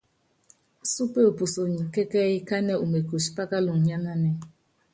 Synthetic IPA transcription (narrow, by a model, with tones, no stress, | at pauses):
su˦pe˦o˨pu˨so˨ɲi˨ke˦kɛ˦ɣɪ˦ka˦ne˦u˨me˨ko˨ʃi̥˨pa˦ka˦lʊ˨ŋ̩˨ɲa˦na˦nɛ˦